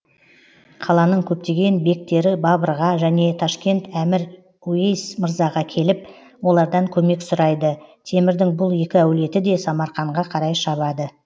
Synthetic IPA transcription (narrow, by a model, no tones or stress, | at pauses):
qʰɑlˠɑnəɴkʲʰɵp̚t̪e̞ɡʲe̞nbe̞k̚t̪e̞ɾɪbɑbəɾʁɑʒæne̞t̪ʰɑʃkʲe̞nt̪æmɪɾ | uejsməɾzɑʁɑkʲʰe̞lɪp̚ | wo̞lˠɑɾd̪ɑŋkʲʰɵme̞ksʊɾɑjd̪ət̪ʰe̞mɪɾd̪ɪŋbʊlˠje̞kʲɪæwle̞t̪ɪd̪e̞sɑmɑɾχɑɴʁɑqʰɑɾɑjʃɑβɑd̪ə